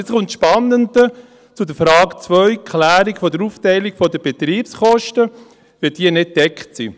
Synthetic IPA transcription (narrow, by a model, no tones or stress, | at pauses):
et͡sχʊntʃpɑnːəndə | t͡sudəfɾɑːkt͡sʋœʏkʰlæːɾikfɔdəɾuftɛɪlikfɔdəb̥et̪ɾiːpsχɔʃtə | ʋɪd̥iənɪt̚d̥ɛkχtsḭ